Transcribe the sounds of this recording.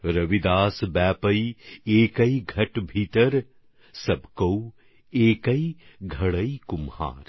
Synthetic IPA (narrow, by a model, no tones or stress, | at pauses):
ɾɐʋid̪aːsbɛːpəieːkɐiɡʱɐʈbʱiːt̪əɾ | sɐbkɐw | eːkɐiɡʱɐɽəikʊmha̰ːɾ